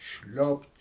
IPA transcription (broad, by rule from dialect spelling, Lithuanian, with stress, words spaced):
ˈʃʲlʲoːpt